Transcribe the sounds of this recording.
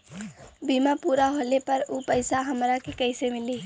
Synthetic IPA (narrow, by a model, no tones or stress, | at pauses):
bimapuɾaɦolepəɾupəɪsaɦəmɾakekəɪsemili